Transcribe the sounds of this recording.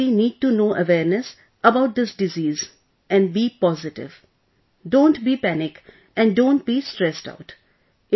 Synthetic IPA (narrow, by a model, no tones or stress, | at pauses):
iniːɖ̚ʈunoːʔəʋɛːɾnɛs | əbaʊʈ̚d̪ɪsɖɪziːz | ɛ̃nbiːpɔzɪʈɪ̰ʋ | ɖõːnʈbiːpænɪk | ɛ̃ɳɖɖõːnʈ̚biːsʈɾɛsʈa̰ʊʈ